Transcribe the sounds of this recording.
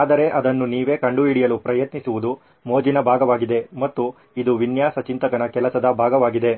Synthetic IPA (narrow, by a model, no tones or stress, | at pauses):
aːd̪ɐɾe̞ʔɐd̪ɐnːuniːʋe̞ːkɐɳɖuiɽijɐlupɾɐjɐt̪nisuʋud̪u | moːd͡ʒinɐbʱaːɡɐʋaːɡid̪e̞mɐt̪ːu | id̪uʋinjaːsɐt͡ʃint̪ɐkɐnɐkɛlɐsɐd̪ɐbʱaːɡɐʋaːɡid̪e̞